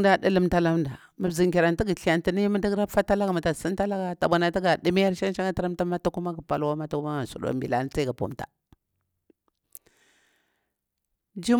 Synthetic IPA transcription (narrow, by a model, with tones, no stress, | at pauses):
da˨ɗə˦lə˦mta˦la˦mnda˨ | ma˨bzi˨ŋki˨ɾa˨nti˦ɡi˨ɬi˨ja˨nti˨ni˦mə˦da˦ɡɾa˦fa˦ta˦la˦ɡa˨ma˨ta˨si˦n˦ta˦la˦ɡa˨ta˨ɓa˨na˨ta˦ɡa˨di˦mi˦a˦ɾʃa˦n˦t͡ʃa˦ŋa˦ta˦ɾa˦mta˦ma˦ta˦ku˦ma˦ɡa˨pa˨lwa˦ma˦ta˦ku˦ma˦a˨sṵ˨ɗo̰˦mbḭ˨la̰˦n˦t͡sa˦ɡa˨pṵ˦mta̰˨ | d͡ʒi˦